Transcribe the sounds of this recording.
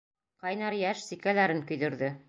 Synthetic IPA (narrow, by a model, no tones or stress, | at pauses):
qɑjnɑɾjæʃsikælæɾɘŋkɵ̆jðɵ̆ɾðɘ